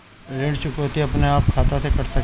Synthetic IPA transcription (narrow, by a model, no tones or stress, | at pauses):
ɾeːɽt͡ʃʊkot̪iɐpneaːp̚kʰaːt̪asekɐɾsɐk